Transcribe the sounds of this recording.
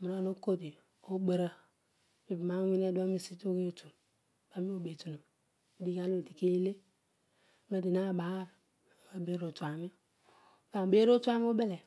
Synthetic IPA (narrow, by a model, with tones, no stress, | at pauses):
mi˨no˦˨no˦ko˦di˨ | o˦bə˨ɾa˦ | mi˨bma˦wi˦ne˦du˦a˦mi˦˨si˦to˦ke˦˨˦tu˨n | ba˨˦mi˦o˦be˨tu˨nu˨m | i˨˦di˦ka˦no˦˨ti˨ke˦le˦ | me˦˨di˨na˦˨ba˨˦˨ɾ | a˨be˦ɾo˨tu˨a˨mi˦ | ka˨be˦ɾo˦tu˦a˦mi˦o˦be˦le˨